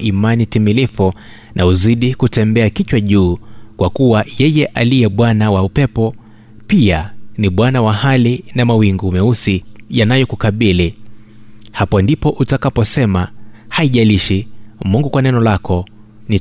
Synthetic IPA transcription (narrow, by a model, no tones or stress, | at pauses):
ʔimanitimilifu | nʔauziɗikutɛmbɛakit͡ʃwaʄuːkwakuwajɛjɛʔalijɛɓwanawaupɛpɔ | pianiɓwanawahalinamawiŋɡuːmɛusijanajɔkukaɓili | hapɔndipɔʔutakapɔsɛmahaiʄaliʃimuŋɡukwanɛnɔlakɔ | ni